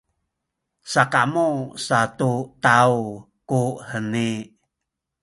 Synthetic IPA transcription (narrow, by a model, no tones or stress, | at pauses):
sakamusat̪ut̪au | kuhəni